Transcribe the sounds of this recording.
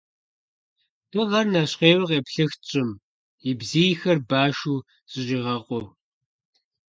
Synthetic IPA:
d̥ɔʁɐrnaːɕqeːwɐqʼeːpɬɨxt͡ʃʼɪm | ibziːjxɐrbaːʃuː | ɕʼɪɕʼiːʁɐqʼʷɔ

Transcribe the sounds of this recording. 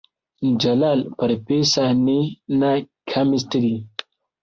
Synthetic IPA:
d͡ʒɐlalpəɾpesanenakʰamist̪idi

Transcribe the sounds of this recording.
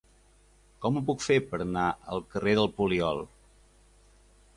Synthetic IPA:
kɔməp̬ukfepəɾnaə̰lˠkəreðəlˠpuliɔlˠ

